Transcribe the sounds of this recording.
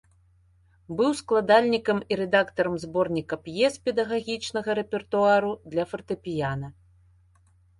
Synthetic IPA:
bɨwsklˠad̪alʲnʲikɐmiɾɛd̪akt̪ɐɾɐmzbɔrnʲikɐpjɛspʲɛd̪ɐɣaɣʲit͡ʂnɐɣɐɾɛpʲɛrt̪uaɾud̪lʲɐfɐrt̪ɨpʲijanɐ

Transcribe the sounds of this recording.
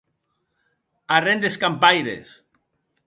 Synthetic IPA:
arend̪eskampajɾḛs

